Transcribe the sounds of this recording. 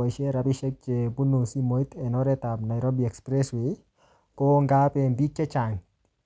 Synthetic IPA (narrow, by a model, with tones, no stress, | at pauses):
a˨ʃe˦ɾa˨pi˦ʃe˦k̚t͡ʃe˨bu˦nu˨si˦mo˨it̪ɛ˨nɔ˦ɾɛ˦t̪a˨bna˨jɾo˦bi˨ɛ˨kspɾɛ˦swi˨ | ko˦ŋɡa˦pe˨mbi˦t͡ʃe˦t͡ʃa˨ŋ